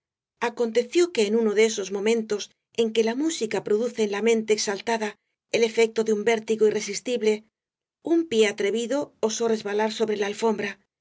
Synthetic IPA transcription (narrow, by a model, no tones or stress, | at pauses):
ako̞nt̪e̞θjo̞ke̞ːnuno̞ðeeso̞zmõ̞mẽ̞nt̪o̞s | e̞ŋke̞lamusikapɾo̞ðuθe̞ːnlamẽ̞nt̪eːksalt̪aða | ele̞fe̞k̚t̪oðeumbe̞ɾt̪iɣoire̞s̬ist̪iβle̞ | umpje̞at̪ɾe̞βiðo̞ːso̞re̞zβalaɾso̞βɾe̞laːlfo̞mbɾa